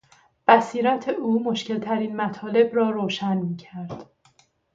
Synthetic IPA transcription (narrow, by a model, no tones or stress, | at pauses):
b̥æsiːɾæt̪ʰeʔuːmoʃce̞lt̪ʰæɾiːnmæt̪ʰɒːle̞bɾɒːɾoːʃænmiːcʰæɾd̪̥